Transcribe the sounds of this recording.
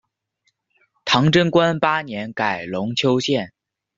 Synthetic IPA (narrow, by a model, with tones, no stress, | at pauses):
t̪ʰɑ˧˥ŋʈ͡ʂə˥nkwa˥npa˥njɛ˧˥nka˨˩ɪlʊ˧˥ŋt͡ɕʰjo˥ʊɕjɛ˥˩n